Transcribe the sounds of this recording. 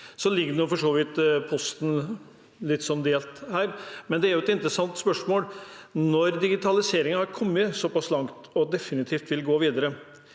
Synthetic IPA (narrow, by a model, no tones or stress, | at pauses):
sɔlɪɡːəɖ̪nʊfɔʂoːʋɪt̪pʰɔst̪n̩ | lɪt̪ːsɔnd̪eːlt̪hæːɾmɛnd̪ɛæɾjʊɛt̪ɪnt̪ɾəsɑnt̪spœʂmoːlnɔɾd̪ɪɡɪt̪ʰɑlɪseːɾɪŋənhɑɾkʰɔmːəsɔpɑslɑŋt̪ɔd̪ɛfɪnɪt̪ʰiːft̪ʋɪlɡoːʋiːd̪əɾə